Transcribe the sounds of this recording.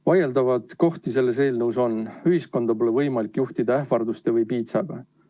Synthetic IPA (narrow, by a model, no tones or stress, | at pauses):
vɑje̞ld̪ɑvɑt̪ko̞ht̪ise̞lːe̞s̬e̞ːlnəuso̞nyɦisko̞nd̪̥ɑpo̞levɤjmɑlikːjuht̪id̪̥ɑehfɑrd̪ust̪e̞vɤjpiːt̪sɑɡ̥ɑ